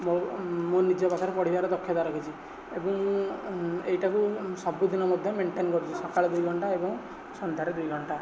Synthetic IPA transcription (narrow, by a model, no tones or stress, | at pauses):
momonid͡ʒɔpat̪ʰaɾepɔɽ̤ibaɾed̪ɔkʰːjɔt̪aɾɔkʰit͡ʃʰi | ebɔŋ | ejʈakusɔbud̪inɔmɔd̪ʱjɔmeɳʈenkɔɾut͡ʃʰisɔkaɭɔd̪ujɡʱɔɳʈaebɔŋ | sɔnd̪ʱaɾed̪ujɡʱɔɳʈa